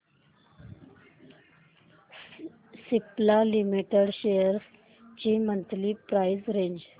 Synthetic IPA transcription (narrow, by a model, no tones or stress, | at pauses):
siplalimiʈəɽɕejəɾs | t͡ɕimənt̪liːpɾajzɾẽɲd͡ʑ